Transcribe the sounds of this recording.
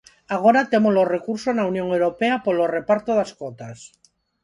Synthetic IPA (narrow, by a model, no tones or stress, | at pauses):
aɣ̞oɾat̪e̞molo̞srekuɾsosnaunjoŋewɾo̞peapolore̞paɾt̪oðaskot̪as